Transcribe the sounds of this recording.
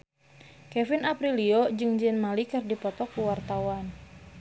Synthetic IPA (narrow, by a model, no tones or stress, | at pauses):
kɛfinapɾiliod͡ʒɨŋd͡ʒənmalikɨrdipɔt̪ɔkuwart̪awan